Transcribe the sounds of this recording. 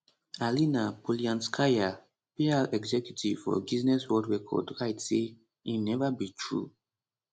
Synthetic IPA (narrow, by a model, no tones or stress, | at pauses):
alinapɔliãnskʰaja | pealɛɡzɛkjutʰiv̥fɔ̰biznɛswɔldɹɛkʰɔ̰dɹaɪtse | inɛvabitʰɹṵ